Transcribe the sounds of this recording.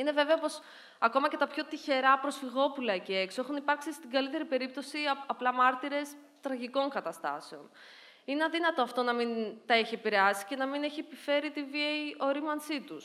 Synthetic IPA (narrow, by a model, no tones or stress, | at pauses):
ine̞ve̞ve̞ɐpo̞s | ɐko̞mɐce̞t̪ɐpço̞t̪içe̞ɾɐpɾo̞sfiɣo̞pulɐcee̞ksoexunipɐɾksist̪iɡɐlit̪e̞ɾipe̞ɾip̚t̪o̞siɐɐplɐmɐɾt̪iɾe̞s | t̪ɾɐʝiko̞ŋkɐt̪ɐst̪ɐ̰se̞o̞n | ineɐðinɐt̪oɐft̪o̞nɐmint̪ɐeçiepiɾeɐsi̥ce̞nɐmine̞çiepife̞ɾit̪iviejo̞ɾimɐnsit̪us